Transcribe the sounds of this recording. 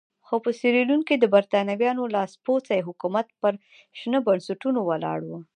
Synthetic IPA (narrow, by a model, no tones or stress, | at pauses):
xopəsiɾilunkid̪əbaɾt̪ɑnawjɑnolɑspot͡sajeɦʊkumat̪̚pəɾ | ʃnəbansaʈunowalɑ̰ɽwə